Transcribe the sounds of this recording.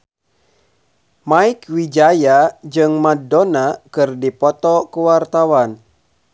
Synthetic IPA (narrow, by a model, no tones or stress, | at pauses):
maikwid͡ʒajad͡ʒɨŋmadonakɨrdipɔt̪ɔkuwart̪awan